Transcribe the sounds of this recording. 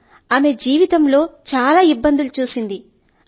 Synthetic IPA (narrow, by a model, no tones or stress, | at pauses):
aːme̞d͡ʒiːʋit̪ɐmlo̞ːt͡ʃaːlaːibːɐnd̪ilut͡ʃuːsind̪i